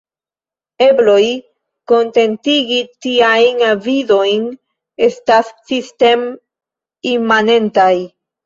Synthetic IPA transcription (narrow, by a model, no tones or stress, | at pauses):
e̞blo̞j | ko̞nte̞ntiɡitiajnavido̞jn | e̞stassiste̞m | imane̞ntaj